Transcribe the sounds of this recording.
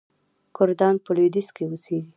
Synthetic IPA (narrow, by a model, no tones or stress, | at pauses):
kʊɾd̪ɑnpəlud̪iskewuseɡi